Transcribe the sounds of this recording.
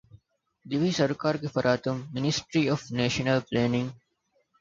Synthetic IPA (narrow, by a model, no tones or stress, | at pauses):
d̪iʋisɐɾkaːɾkefɐɾʔaːt̪umːɪnisʈɾiɔːfneːʃənəlpleːnĩŋɡ